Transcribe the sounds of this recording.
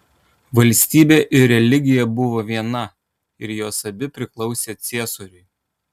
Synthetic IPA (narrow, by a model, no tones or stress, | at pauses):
ʋɐlʲsʲt̪ʲiːbʲeːʔɪɾɾʲɛlʲɪɡʲɪjɛbʊʋoːʋʲiɛnɐ | ɪɾjoːsɐbʲɪpʲɾʲɪklˠɒʊsʲeːt̪sʲiɛsoɾʲʊɪ